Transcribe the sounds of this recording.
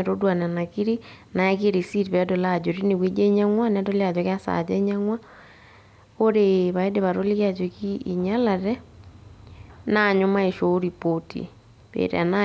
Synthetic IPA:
ɾo˦dwa˨na˨na˨ki˦ɾi˦na˨ɛ˦ke˦ɾe˨si˦ɾi˨βɛ˦do˨la˨d͡ʒo˨ɾi˦ne˨βwe˦d͡ʒe˦ɲa˦ŋwa˦nɛ˦do˦le˦a˨d͡ʒo˨kja˦sa̰˨d͡ʒɛ˦ɲa˦ŋwa˦ | o˦ɾeβa˨e˦de˨βa˨ɾo˦le˦ɣja˨d͡ʒo˨ki˦˨ɲa˦la˨ɾɛ˦ | na˦˨ɲo˦ma˦e˨ʃo˦ɾi˨po˦tḭ˨ | βḛ˨ɾḛ˨a̰˨na˦

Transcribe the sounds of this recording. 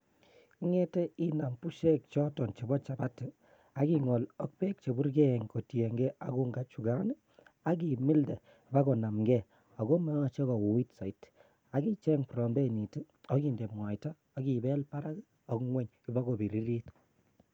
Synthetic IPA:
i˦ŋɛ˦te˦i˦na˨mpu˦ʃɛ˦k̚t͡ʃɔ˦tɔ˨nt͡ʃe˨bɔ˦t͡ʃa˨ba˦tɨ˨ | a˨ki˦ŋɔ˨lɔ˦k̚pe˦k̚t͡ʃe˨bu˦ɾɡe˦˨ŋko˨tje˨ŋɡɛ˦a˨ku˦ŋɡa˦t͡ʃu˨ɡa˦n˦ | a˦k̬i˨mi˦ldɛ˨ | ba˦kɔ˨na˨mɡɛ˦˨ | a˨ɡo˦ma˦ŋa˨t͡ʃe˦kɔ˨wu˨wi˦tsa˨it | a˨ɡi˦t͡ʃɛ˦ŋpɾɔ˨mbe˦˨ni˨tɨ˦ | ɔ˦ki˨nde˨mŋwa˨jta˦ | a˦ki˨bɛ˦lpa˦ɾa˦k | ɔ˦kŋwɛ˦ɲki˨ba˦ɡo˨bi˨ɾi˦ɾi˦t

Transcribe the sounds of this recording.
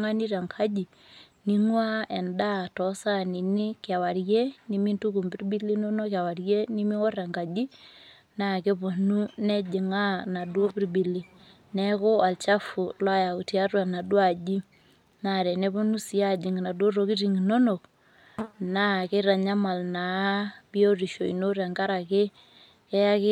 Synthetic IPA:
ŋa˦ni˦ɾa˨ŋkʰa˦d͡ʒi˨ | ni˦ŋwa˦ɛ˨nda˦tɔ˦sa˦ni˨ni˦kja˨wa˨ɾje˦ni˨mi˦ntu˦ku˨mbi˦ɾbi˦li˦no˦no˦kja˨wa˨rje˦ni˦mi˦o˦ra˨ŋka˨d͡ʒi˦ | na˦˨ke˦po˨nu˦nɛ˦d͡ʒe˨ŋa˦na˨dwo˦pi˦rbi˨li˨ | nɛ˦ko˦a˨lt͡ʃa˦fu˨lwa˦ja˨ku˨ti˦a˦rwa˨na˨dwa˨d͡ʒi˦ | na˨ɾɛ˨nɛ˦po˦nu˦si˨˦a˦d͡ʒi˨ŋ˨na˨do˦ro˨ki˦ti˨ŋi˨no˦no˨k | na˦ke˦ɾa˨ɲa˦ma˨lna˨˦bi˦o˦ri˨ʃo˨ḭ˨no˦ɾa˨ŋɡa˦ɾa˨ke˦ | kɛ˦ja˦ke˦

